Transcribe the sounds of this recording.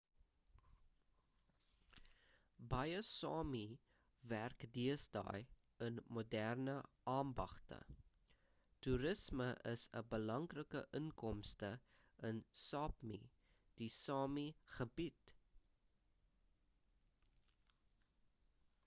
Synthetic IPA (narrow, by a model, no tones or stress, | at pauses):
bɐjəsɑːmi | værkdiəsdɑ̰ːj | ənmudærnəʔɑːmbɐχtə̰ | tuɾəsməʔəsə̰bəlɐŋrəkəʔəŋkɔmstə | ənsɑːpmḭ | d̥isɑːmiχəbit